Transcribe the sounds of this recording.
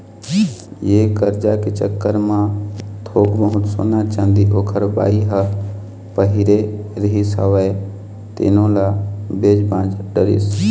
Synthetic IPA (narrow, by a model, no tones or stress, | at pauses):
jekəɾd͡ʒaket͡ʃə̰kːəɾmãt̪ʰoːɡbəɦʊt̪so̰nat͡ʃə̃nd̪iʔoːkʰəɾba̰ːiɦə | pəɦɪɾeɾəɦisəʋəe | t̪ɪ̰nõlabeːd͡ʒbãːd͡ʒɖəɾḭs